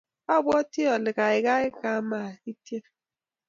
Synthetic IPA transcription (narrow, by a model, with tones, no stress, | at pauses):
ɔ˦˨bɔ˦ti˦ɔ˨lɪ˨ɣa˨ɪ˨ɡa˦ɪ˦ka˨˦ma˨i˦te˦